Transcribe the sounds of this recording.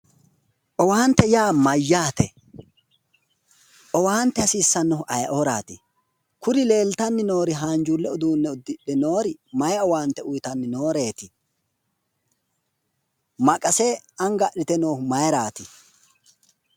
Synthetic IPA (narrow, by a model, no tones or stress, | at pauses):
ʔɔwaːnt̪ːɛjaːmɐjːaːt̪ɛ | ʔɔwaːnt̪ːɛɐsiːsːɐnːɔʔɐjɐʔoɾa̰ːt̪ɪ | kʊɾɪle̞ːlt̪ɐnːɪno̞ːɾɪɦaːnd͡ʒulːɛɔd̪uːnːɛʊd̪ːɪɗɛnoːɾɪmɐjɔwaːnt̪ːɛʊjt̪ɐnːɪno̞ːɾe̞ːt̪ɪ | mɐkʼɐsɛɐŋɡɐʔɪt̪ɛno̞ːmɐjɾaːt̪ɪ